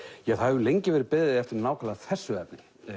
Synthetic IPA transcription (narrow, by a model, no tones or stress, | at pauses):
jɛɣθavʏlejɲcɪvɛːɾɪɾpɪððɪðɪɛft̪ɪɾnaːwkʰalaθɛsːʏɛpnɪ